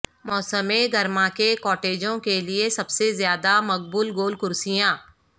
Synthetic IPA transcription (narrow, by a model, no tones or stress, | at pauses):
mɔːsəmẽɡɐɾmãkekɔːʈeːd͡ʒõkeliesɐbsezjaːd̪amɐk̚bulɡoːlkʊɾsijãː